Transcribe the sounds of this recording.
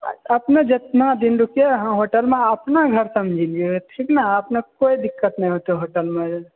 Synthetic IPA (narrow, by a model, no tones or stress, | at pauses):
əpned͡ʒət̪nad̪inɾukijeɦãɦoʈəlmeəpnaɡʱəɾsəmd͡ʒʱilɡeʈʰiknaəpnekoid̪ikːət̪nəĩɦoteɦoʈəlmẽ